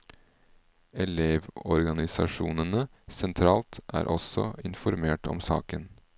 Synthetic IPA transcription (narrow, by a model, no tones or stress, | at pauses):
ɛleːʋɔɾɡɑnɪsɑʂuːnənə | sɛnt̪ʰɾɑːlt̪æ̰ːɾʔɔsɔ̰ɪnfɔɾmeːʈɔ̰msɑ̰ːkən